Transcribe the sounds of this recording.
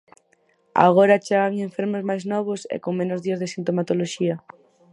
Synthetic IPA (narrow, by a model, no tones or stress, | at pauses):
a̰ɣoɾat͡ʃeɣaŋeɱfeɾmozmajznɔβ̞osḛkoŋmẽnʊzðiazðesint̪omat̪oloʃiɐ